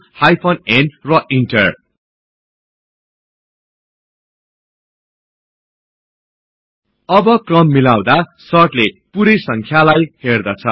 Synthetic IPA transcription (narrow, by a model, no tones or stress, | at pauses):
hajpʰonenrʌʔiɳʈʌr | ʌbʌkrʌmːilaw̃d̪asʌʈlepuɾesʌŋkʰjalajherd̪ʌt͡sʰʌ